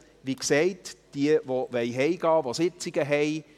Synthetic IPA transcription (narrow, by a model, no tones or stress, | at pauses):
ʋiksɛɪtd̥iəvoʋɛjɦɛjɡɑːvosɪt͡sɪɡ̥əɦɛj